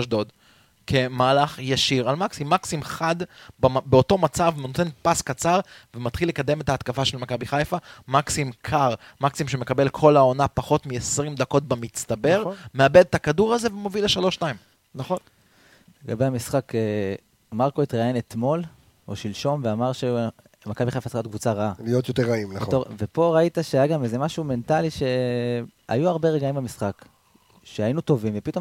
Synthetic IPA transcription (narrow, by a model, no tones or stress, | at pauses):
ʃdod̪ | kʰemalaχjaʃiʁalmaksimːaksimχad̪babeo̞to̞mat͡savnot̪e̞npaskat͡saʁvemat̪χilːe̞kad̪e̞me̞t̪aːt̪kafaʃelmakabiχajfamaksimkʰaʁmaksimʃe̞me̞kabe̞lkʰo̞lao̞napaχo̞t̪miesʁimd̪ako̞t̪̚bemit͡st̪abe̞ʁmeabe̞d̪̚takaduʁaze̞vemovileʃalo̞ʃtaim | naχon | le̞ɡabe̞hamisχake | maʁko̞it̪ʁaenet̪mo̞l | o̰ʃilʃo̞nveamaʁʃe | makabiχafasot̪̚kvut͡saʁaalijot̪joteʁaimnt̪ovepo̞ʁait̪aʃeajaɡamezemaʃume̞ntaliʃe̞ | a̰juaʁbe̞ʁeɡaimbamisχak | ʃeainut̪o̞vimve̞pit̪o̞